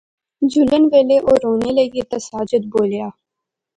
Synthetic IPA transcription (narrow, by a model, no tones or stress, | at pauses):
d͡ʒʊlənʋeːleʔoːɾoːneləɡet̪əsaːd͡ʒəd̪̚boːljaː